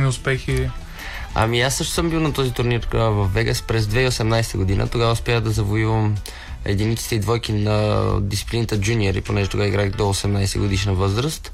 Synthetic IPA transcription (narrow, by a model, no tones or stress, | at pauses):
niʊspɛxi | a̰miasːɤʃt̪ʊsəmbilˠnɐt̪ɔzit̪ʊɾniɾvɐfːɛɡəspɾɛzd̪vɛiosɛmnajsɛ̥t̪əɡod̪inʔə̰t̪oɡavəʊspaxd̪ɐzɐvoivəm | ɛ̰d̪init̪si̥t̪ɛid̪vɔjkinɐd̪it̪t̪iplint̪əd͡ʒuniɛɾḭponɛʒɛt̪oɡaiɡɾaxd̪oːsɛmnajsɛ̰ɡod̪iʃnəvɤzɾəst̪